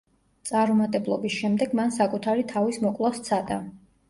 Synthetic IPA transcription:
t̪sʼaɾumat̪ʼɛblˠɔbisʃɛmd̪ɛɡmansakʼut̪ʰaɾit̪ʰavismɔkʼlˠast̪sʰad̪ʼa̰

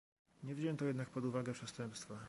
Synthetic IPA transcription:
ɲɛvʑɛɛnt̪ɔjɛd̪nak̚pɔd̪uvaɡɛpʂɛst̪ɛmpst̪fa

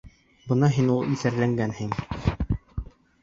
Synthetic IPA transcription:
bɤnɑɦinulˠiθæɾlæŋɡænhiŋ

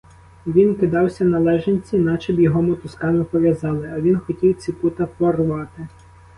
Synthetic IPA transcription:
ʋʲinkɪd̪ɑwsʲɐnɐlˠɛʒenʲt͡sʲinɑt͡ʃɛbjɔɦɔmʊt̪ʊskɑnʊpɔʋʲjɐzɑlˠɪɐʋʲinxɔtʲiwt͡sʲiput̪ɐpɔrʋɑt̪ɪ

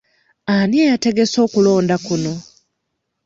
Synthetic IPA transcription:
aniejate̞ɡe̞so̞ːkulo̞ːndakuno̞

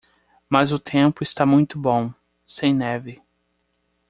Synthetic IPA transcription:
mɐzʊt̪ʰẽmpʊɪst̪amũj̃t̪ʊbõw̃ | sẽj̃nɛvɪ

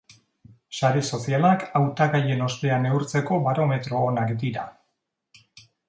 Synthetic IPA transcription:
saɾe̞so̞sialakawt̪aɣaje̞no̞st̪e̞ane̞uɾt͡se̞ko̞βaɾo̞me̞t̪ɾo̞ːnakd̪iɾa̰

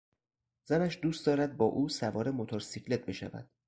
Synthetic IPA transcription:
z̥ænæʃd̪uːst̪d̪ɒːɾæd̪̚bɒːʔuːsævɒːɾe̞mot̪ʰoɾsikʰle̞t̪̚be̞ʃæ̰væ̰d̪̥

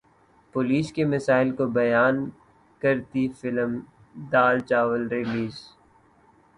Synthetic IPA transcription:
poliːskemɐsaːɪlkobɐjaːn | kɐɾt̪ifɪləm | d̪aːlt͡ʃaːʋəlɾɪliːz

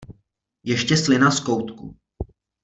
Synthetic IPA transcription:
jɛʃcɛslɪnaskowt̪kṵ

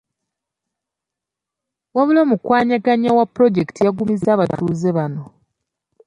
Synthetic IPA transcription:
waβulomukwaːɲaɡaɲawapːɾo̞ɟe̞ktijaɡumizaːβatʰuːze̞βano̞

